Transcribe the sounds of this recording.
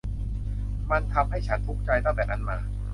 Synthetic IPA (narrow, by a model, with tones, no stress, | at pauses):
ma˧nt̪ʰa˧mɦa˥˩jt͡ɕʰa˦˥nt̪ʰu˦˥˩k̚t͡ɕa˧jt̪a˥˩ŋt̪ɛː˨˩na˧˥˩nmaː˧